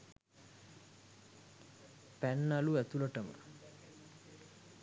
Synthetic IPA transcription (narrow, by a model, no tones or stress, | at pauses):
pænːaluæt̪uləʈəmə̰